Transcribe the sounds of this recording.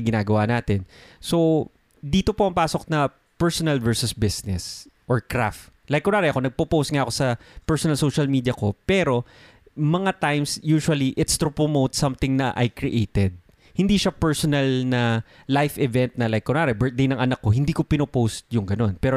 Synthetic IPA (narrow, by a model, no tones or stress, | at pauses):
ɡɪnaːɡɐwanaːt̪ɛnso̞ | d̪iːt̪o̞poɐŋpaːso̞k̚nɐ | pɛɹsonɐlvɛɹsʊsbɪsnɛsʔɔɹkɾaft̪ | lajkːʊnaːɾɛʔɐko̞nɐɡ̚popowst̪ŋaːʔɐko̞sɐpɛɹsɔnɐlsowʃɐlmiːd̪ijɐko̞pɛːɾo̞ | mɐŋat̪ajmsjuːʃwɐliʔɪt̪st̪ɾʊpɹomowt̪sɐmt̪ɪŋnɐʔɐ̰jkɹɪʔeːt̪ɛd̪̚ | hɪnd̪iːʃɐpɛɹsonɐlnɐlajfɪvɛnt̪̚nɐlajkkɔnaːɾɛbɛɹt̪̚d̪ejnɐŋʔɐnɐkːohɪnd̪iːkopɪnopowst̪̚jʊŋɡɐno̞npɛːɾo